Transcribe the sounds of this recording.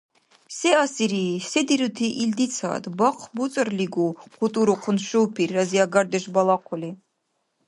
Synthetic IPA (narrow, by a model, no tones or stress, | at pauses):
sɛasiɾisɛd̪iɾut̪ʰiʔild̪it͡sʰa̰ːd̪baqʰbut͡sʼərliɡuqʰut̪ʼuɾuqʰʊnʃuwpʰirːaziaɡaɾd̪ɛʃbalˠaqʰɔli